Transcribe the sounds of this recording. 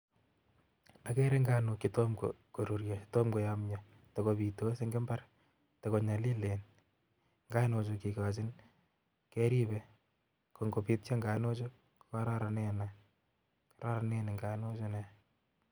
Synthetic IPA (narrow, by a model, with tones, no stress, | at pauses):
akɛɾe˦ŋɡaː˦nukɪtomko̰ko˨ɾu˨ɾjaɪtomko˨jamɲɔ | tɔkopi˨to˦se˦ŋɡɪ˦mba˦r | tɔ˨ko˨ɲa˨li˦le˨n | ŋɡaː˦no˧t͡ʃoki˨ka˨t͡ʃɪ˦n | kɛ˦ɾi˦bɛ | ko˨ŋɡo˨pi˦tt͡ʃa˦ŋɡa˨no˦t͡ʃo | kkaɾaɾa˨ne˦na | kaɾa˦ɾaneneŋɡano˦t͡ʃo˦nɛ